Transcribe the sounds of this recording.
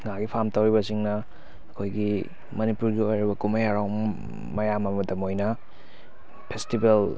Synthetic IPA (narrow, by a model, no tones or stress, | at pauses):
ŋaɡipʰamtɐwɾibɐsiŋnɐː | kʰojɡi | mɐnipuɾɡiojɾibɐkumɐjaɾaw | mɐjamɐmɐdɐmojnɐ | pʰestibel